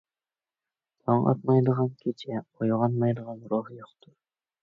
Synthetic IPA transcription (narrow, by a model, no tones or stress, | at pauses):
t̪ʰɑɴɑ̰t̪mɑjd̪əʁɑnkʲʰet͡ʃʰɛojʁɑnmɑjd̪əʁɑnɾoɦjoqt̪ʰʊɾ